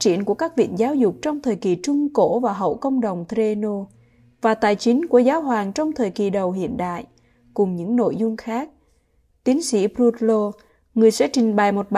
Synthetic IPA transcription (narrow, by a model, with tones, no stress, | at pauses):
t͡ɕḭ˧˨ənku˧˩əkaː˦˥k̚vḭ˧˨ənzaː˨˦wzʊ˨˩k͡p̚t͡ɕɔ˧wŋ͡mt̪ʰəː˨˩jki˨˩t͡ɕʊ˧ŋ͡mko̰˧˥vaː˨˩ɦə̰˧˨wkə̰˧wŋ͡mɗə˨˩wŋ͡mt̪ɾe˧no˧ | vaː˨˩t̪aː˨˩jt͡ɕï˨˦ŋ̟ku˧˩əzaː˨˦wɦwaː˨˩ŋt͡ɕɔ˧wŋ͡mt̪ʰəː˨˩jki˨˩ɗə˨˩wɦḭ˧˨ənɗa̰ː˧˨j | kʊ˨˩ŋ͡mɲɨ̰˧˥ŋno̰˧˨jzʊ˧ŋ͡mxaː˦˥k̚ | t̪i˨˦ənsḭ˧˥pɾu˧t̚lo˧ | ŋɨ˨˩əjsɛ̰˧˥t͡ɕï˨˩ŋ̟ɓə˨˩jmo˨˩t̚ɓ